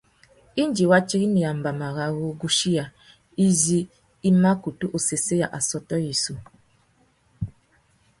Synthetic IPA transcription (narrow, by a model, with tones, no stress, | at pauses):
i˦n˦d͡ʒi˨wa˦t͡ʃi˦ɣi˦ni˨ja˨m̩˨ba˨ma˨ɣa˨ɣu˦ɡu˦ʃi˦ja˨ | i˦zi˦ | i˦ma˦ku˨tu˦ʔo˨se˨se˦ja̰˨ʔa˨sɔ˦tɔ˦ji˨su˦